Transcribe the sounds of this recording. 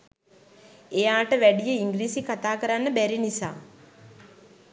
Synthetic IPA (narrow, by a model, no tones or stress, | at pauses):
ejaːʈəʋæɖijəiŋɡɾiːsikat̪aːkəɾanːəbæɾinisa̰ː